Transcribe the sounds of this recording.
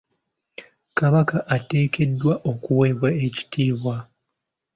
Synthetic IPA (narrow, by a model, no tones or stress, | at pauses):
kaβakaʔate̞ːke̞dːwaʔo̞kuwe̞ːβwae̞ci̥tʰiːβwa